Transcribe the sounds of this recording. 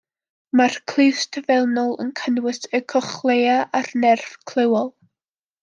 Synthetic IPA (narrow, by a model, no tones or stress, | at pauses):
markʰl̥ˠɨstʰəvɛlˠnɔlˠə̰nkʰənwɪsəkʰɔχlˠejaʔarnɛrfkʰl̥ˠɪwɔlˠ